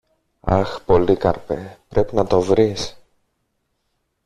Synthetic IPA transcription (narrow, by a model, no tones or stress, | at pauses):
ɐ̰xpo̞likɐ̰ɾpepɾe̞pinɐt̪o̞vɾis